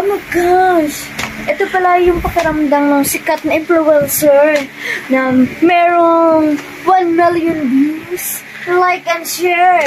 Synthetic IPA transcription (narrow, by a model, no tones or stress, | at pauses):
ʔomɐjɡaʃ | ʔɛt̪opɐlajʊŋpɐkɐɾɐmd̪aŋnɐŋsɪkɐt̪̚nɐʔɪmplowɛnsɛɹnɐmɛːɾoŋ | wanmɪljʊnbis | lajkɐnʃɛɹ